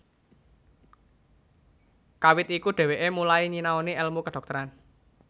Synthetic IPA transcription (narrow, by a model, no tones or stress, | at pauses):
kawɪt̪̚ikuɖ̥e̤weʔemulaiɲinaoniɛlmukəɖ̥ɔ̤k̚t̪əɾan